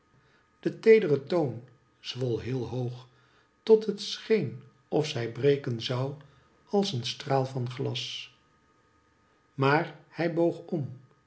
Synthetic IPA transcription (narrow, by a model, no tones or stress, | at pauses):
d̥ətejdərətown | z̥ʋɔlˠɦɪːlˠɦowχ | tɔtɦətsχejn | ɔfsɛjbrejkənzɑw | ɑlˠsənstraːlˠvɑnχlɑs | maːɹhɛjbowχɔm